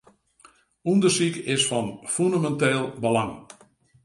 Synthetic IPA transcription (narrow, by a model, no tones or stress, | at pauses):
undəsikɪsfɔnfundamɛnteːlˠbəlaŋ